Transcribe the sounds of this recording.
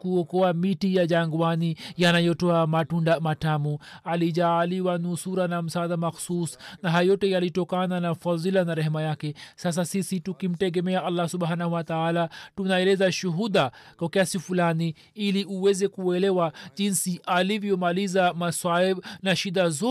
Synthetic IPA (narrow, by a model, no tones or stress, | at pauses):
kuɔkɔamitijaʄaŋɡwanijanajɔtɔamatundamatamɔaliʄaːliwanusuɾanam̩saːðamaxsusnaɦajɔtɛjalitɔkananafaðilanaɾɛhɛmajakɛsas̬asisitukim̩tɛɡɛmɛaʔalːasuɓhanahuwat̪aalatunaɛlɛzaʃuɦuɗakwakiasifulani | iliuwɛzɛkuɛlɛwaʄinsiʔalivjɔmalizamaswanaʃiɗazɔ